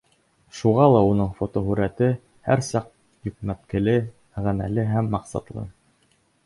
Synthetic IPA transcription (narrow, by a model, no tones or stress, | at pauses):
ʃuʁɑlˠɑunɤɴfot̪oɦʉɾæt̪ɘ | hæ̰ɾsɑq̚ | jɵ̆kmæt̪kɘ̆lɘ | ʁænæ̰lɘɦæmːɑqsɑ̰t̪lˠɤ̰